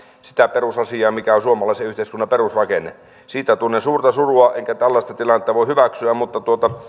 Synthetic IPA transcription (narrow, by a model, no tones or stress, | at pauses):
si̥t̪æperusɑsiɑːmikæosuomɑlɑˑiseyht̪eˑiskunːɑperusrɑkenːe | siːt̪æt̪unːesuːrt̪ɑsuruɑʔeŋkæt̪ælːɑst̪ɑt̪ilɑnːet̪ːɑʋoˑihyʋæksyæmmut̪ːɑt̪uot̪ɑ